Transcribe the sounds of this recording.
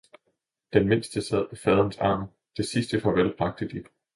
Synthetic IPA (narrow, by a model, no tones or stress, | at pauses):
d̥enme̝n̰sd̥əsɛð̰ˠpʰɒ̽fɛːð̞ˠən̩sɑ̰̈ːm | d̥e̝sisd̥əfɒ̽ʋelb̥ʰʁɑ̈ɡ̥̚d̥əd̥i